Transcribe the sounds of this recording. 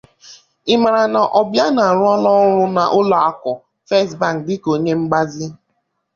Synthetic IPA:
ɪ˨ma˨ɾa˨na˨ʔɔ˨bja˦na˨ɾʊ˦ɔ˦lɔ˦ɾʊ˦na˨ʔʊ˦lɔ˨a˦˨kɔ˨ | fe˦˨sba˨ŋ˨dɪ˦ko˨ɲe˦ŋ͡m̩˦ɡ͡ba˦zɪ˦

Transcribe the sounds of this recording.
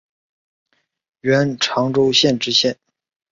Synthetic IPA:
ɥɛ˧˥nʈ͡ʂʰɑ˧˥ŋʈ͡ʂo˥ʊɕjɛ˥˧nʈ͡ʂɻ̩˥˧ɕjɛ˥˩n

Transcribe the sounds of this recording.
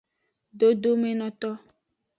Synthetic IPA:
ɖo˦d̪o˦me˦nɔ̃˨t̪ɔ˦

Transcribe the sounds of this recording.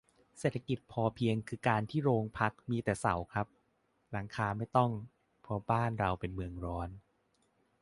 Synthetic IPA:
seː˨˩t̪ʰa˧ki˨˩t̪̚pʰɔː˧pʰi˧əŋkʰɯː˧kaː˧nt̪ʰiː˥˩ɾoː˧ŋpʰa˦˥k̚miː˧t̪ɛː˨˩sa˨˩˦wkʰɾa˦˥p̚ | la˩˦ŋkʰaː˧ma˥˩jt̪ɔ˥˩ŋ | pʰɔ˦˥baː˥˩nɾa˧wpe˧nmɯ˧əŋɾɔː˦˥n

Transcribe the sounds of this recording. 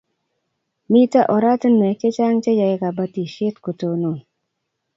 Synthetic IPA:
mi˦ta˦ʔɔ˨ɾa˦tə˦nmɛ˨t͡ʃe˦t͡ʃa˦ŋt͡ʃe˦ja˨e˦ka˨ba˦ti˨ʃe˦tko˨to˨no˨

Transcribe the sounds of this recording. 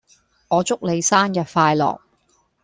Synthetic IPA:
ŋɔː˨˧t͡sʊ˥k̚le˨˧jsaː˥njɐ˨t̚faː˧jlɔ̰ː˨˩k̚

